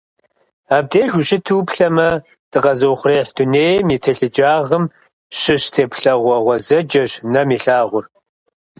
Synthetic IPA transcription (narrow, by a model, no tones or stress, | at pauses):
aːb̚deːʒʷʊɕɪtʰuːpɬɐmɐ | d̥ɨqɐzɐwχʷreːħd̥uneːjmiːtʰɐɬɨd͡ʒʼaːʁəm | ɕɪɕtʰeːpɬɐʁʷɔʁʷɔzɐd͡ʒʼɐɕnɐmiːɬaːʁʷʊr